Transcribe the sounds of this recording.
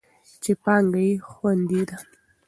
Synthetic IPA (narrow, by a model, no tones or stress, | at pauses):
t͡ʃepɑŋɡajexwand̪id̪a